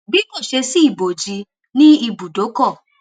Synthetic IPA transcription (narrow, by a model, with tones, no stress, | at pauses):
bi˨˦bɔ˦˨ʃe˧si˦i˦˨bo˨d͡ʒi˧ | nĩ˦i˧bu˨do˨˦kɔ˦˨